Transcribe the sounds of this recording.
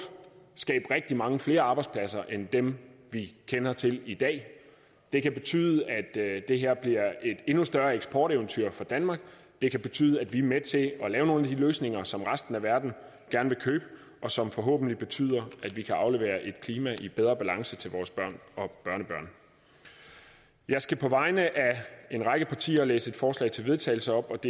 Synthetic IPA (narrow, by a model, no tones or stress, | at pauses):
sɡ̥ɛ̰ːb̥ʁɛɡ̥̚d̥imɑ̈ŋəfle̝ːɐɑ̈ːbɑɪd̥spʰlæs̬ɐʔend̥emʋikʰenɐt͡sʰe̝lid̥ɛ̰ː | d̥e̝kʰæb̥e̝t͡sʰy̰ːðˠəæd̥de̝ɦeɐ̰b̥liɐ̰e̝d̥e̝nusd̥ɶɐeɡ̥sb̥ɒ̰ːɾ̥æʊnt͡sʰyɐ̰fɒ̽d̥ænmɑ̈ɡ̥ | d̥e̝kʰæb̥e̝t͡sʰy̰ːðˠəæd̥ʋiæmet͡sʰe̝ɒ̽lɛːʊno̝ːn̩æd̥iløːsne̝ŋɐsɒ̽mʁasd̥n̩æʋæɐd̥n̩ | ɡ̥æɐnəʋe̝kʰøːb̥ə | ʔɒ̽sɒ̽mfɒ̽ɦɔ̰ːb̥n̩lib̥e̝t͡sʰy̰ːð̞̰ˠɐʔæd̥ʋikʰæɑ̈ʊle̝ʋe̝̰ːɐʔe̝d̥kʰliːmæʔib̥eðˠʁɐb̥ælɑ̈ŋsət͡sʰe̝lʋɒːsb̥ɶɐ̰nɒ̽b̥ɶɐnəb̥ɶɐ̰n | jɑ̈ɪsɡ̥æpʰɒ̽ʋɑ̈ɪnəʔæe̝nʁɑ̈ɪɡ̥əpʰɑ̈t͡sʰḭːɐlḛːsəe̝d̥fɒːslɛ̰ɪt͡sʰe̝lʋe̝ð̞ˠt͡sʰɛ̰ɪl̩səɒ̽b̥ɒ̽d̥